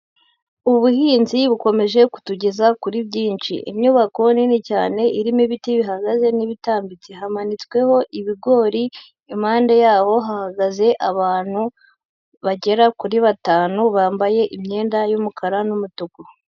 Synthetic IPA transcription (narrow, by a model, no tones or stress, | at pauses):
uβuhiːnziβuko̞me̞ʒe̞ku̥tuɟe̞zakuɾibɟiːnt͡ʃḭʔḭmɲuːβako̞ninica̰ːne̞ʔiɾimiβitiβiɦaɡaze̞niβitaːmbit͡siɦamanit͡swe̞ho̞ʔiβiɡo̞ːɾi | im̥haːnde̞jaːβo̞ɦahaɡaze̞ʔaβaːn̥hu | βaɟe̞ɾakuɾiβataːnuβaːmbaje̞ʔimɲe̞ːndajumukʰaɾanumutuɡo